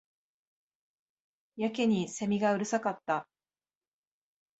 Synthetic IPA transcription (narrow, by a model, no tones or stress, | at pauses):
jake̞ɲ̟ise̞mʲiɡaɯ̟ɾɯ̟sakat̪ːa